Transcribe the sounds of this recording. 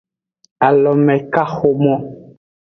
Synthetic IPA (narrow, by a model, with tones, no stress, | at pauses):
a˨lɔ˨mɛ˨ka˦xo˦mɔ˦